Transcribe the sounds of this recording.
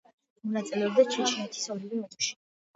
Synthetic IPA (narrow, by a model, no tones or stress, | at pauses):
mɔnat̪sʼilɛɔbd̪at͡ʃʰɛt͡ʃʰmɛt̪ʰi̥sɔvɾivimɛt̪ʼʃi̥